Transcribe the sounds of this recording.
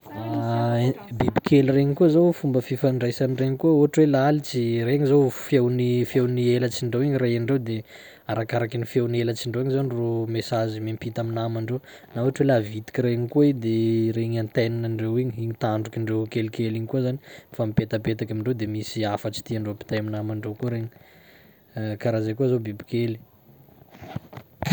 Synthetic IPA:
a | bibikʰelireɲikuzowfumbəfifaɳɖ͡ʐajsanireɲikuəoɦaʈ͡ʂwelaalit͡sireɲizowfjewnifewnielət͡siɳɖ͡ʐewiɲirajaɳɖ͡ʐewd̪e | aɾakaɾakinifjewnelət͡ʃiɳɖ͡ʐewiɲizaniromesazimempit̪aminamaɳɖ͡ʐew | nauaʈ͡ʂwelavit̪i̥kiɾeɲikued̪eɾeɲant̪ajnanaɳɖ͡ʐewiɲiiɲit̪aɳɖ͡ʐukiɳɖ͡ʐewkelikeliɲikuzani̥famipet̪apet̪akamiɳɖ͡ʐewd̪emisiafət͡ʃi̥t̪iaɳɖ͡ʐepi̥t̪ajaminamaɳɖ͡ʐekuɾeɲi | kaɾazejkuazobibi̥keli̥

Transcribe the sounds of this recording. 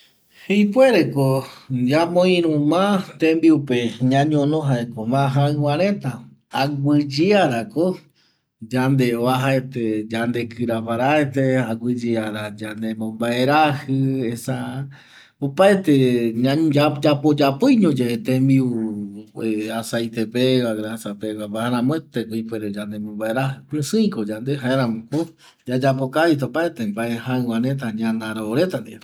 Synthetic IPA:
hejpweɾekod͡ʒamõĩɾũmãt̪ẽmbiupe̞ɲãɲõnõɦaekomãɦaɨ̃wãɾ̃ẽ̞t̪a | aɡʷɨd͡ʒiaɾako | d͡ʒand̪e̞oaɦaet̪ed͡ʒand̪e̞kʰɨɾapaɾaet̪eaɡʷɨd͡ʒiaɾad͡ʒand̪emõmbaeɾahɨesa | opaet̪eaad͡ʒapod͡ʒapojɲõd͡ʒeet̪ẽmbiu | easajt̪epewaɡɾasapewabaaɾãmõet̪ekuipeɾed͡ʒand̪emõmbaeɾahɨpɨ̃sɨ̃ĩkod͡ʒand̪eɦaeɾãmõko | d͡ʒad͡ʒapokait̪̬aopaet̪embaehãɨwãnẽt̪̬aɲãnd̪aɾoɾet̪and̪ia

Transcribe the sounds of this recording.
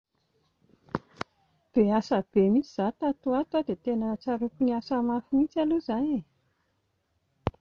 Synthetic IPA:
b̥easəb̥emit͡siz̥at̪at̪uat̪wad̪et̪enət͡saɾukuniasəmafumit͡saluzane

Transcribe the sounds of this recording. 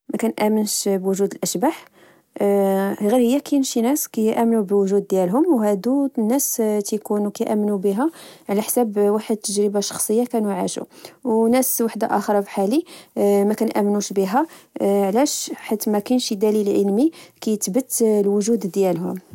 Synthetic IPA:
mækænʔæmənʃbwʊʒud̪əlʔæʃbaħ | ɣiɾhəjːækænʃinæskæjʔæmnubwʒud̪̚ːjælɦʊmwɦæd̪unːæst̪jkunukæjʔæmːnubiɦæʕlæħsæbwaħəd̪̚t̪ːəʒɾəbaʃɑ̥xsˤəjːakænuʕaʃṵwnæswaħd̪a̰ʔæxəɾˤɑfiħalimækænʔæmnuʃbiɦæʕlæʃħat̪ːmækænʃid̪ælilʕəlmikæjət̪bət̪ːlwʊʒud̪d̪jælɦʊ̰m

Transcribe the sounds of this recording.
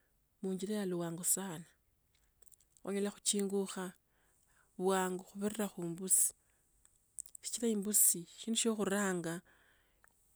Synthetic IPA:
muːɲd͡ʒiɾejaluwaːŋɡosaːna | xṵɲalaxu̥t͡ʃiːŋɡuxa | βwaːŋɡoxuβereɾaxuːmbusi̥ | ʃi̥t͡ʃiɾaiːmbusiʃiːnduʃoxuɾaːŋɡa

